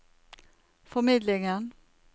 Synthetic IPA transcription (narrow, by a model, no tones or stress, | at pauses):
fɔmɪd̪lɪŋən